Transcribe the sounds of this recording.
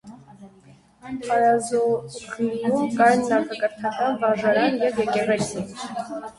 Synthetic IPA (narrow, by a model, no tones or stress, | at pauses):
χʰɑɾɑzɔχiɡumkʼɑjnːɑχɑkʼəɾt̪ʰɑkɑnvɑʒɑɾɑnjɛvjɛkʼɛʁɛt͡sʰi